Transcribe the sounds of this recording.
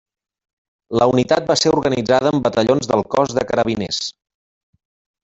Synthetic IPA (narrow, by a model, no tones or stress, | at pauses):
ləunit̪at̪̚baseɾuɾɣənid͡zaðəːmbət̪əʎonzðəlˠkɔzðəkəɾəβines